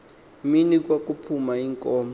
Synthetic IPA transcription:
minik̬wak̬ʼupʰumaiŋkʼɔːm

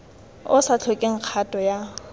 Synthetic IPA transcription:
ʊsat͡ɬʰɔkʼeŋ̩q͡χʰatʼɔja

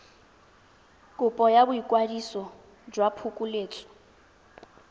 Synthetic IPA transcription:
kʼʊpʼɔjabʊikʼwadisɔ | d͡ʒwapʰukʼuleːt͡sʼɔ̥

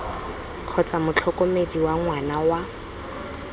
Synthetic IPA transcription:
q͡χʰɔt͡samʊt͡ɬʰɔkʼɔmediwaŋwanawa

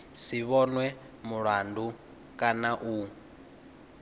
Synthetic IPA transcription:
siβɔnwɛ | muɺwandu | kʼanaʔu

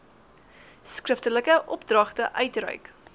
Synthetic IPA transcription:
skrəftələkəʔɔp̚drɐχtəʔœɥtrœ̰ɥk

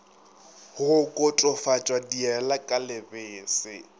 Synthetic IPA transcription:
hʊkʼʊtʼɔfat͡ʃʼwadiɛlakʼalɪbɪːsɪ

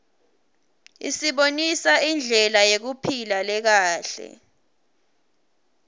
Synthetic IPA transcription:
ḭsiɓonisaind͡ɮʱɛlajek̬upʰilalɛk̬aːɬɛ̰

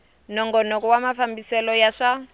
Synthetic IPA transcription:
nɔŋɡɔnɔk̬ʼuwamafambisɛlɔjaʂa

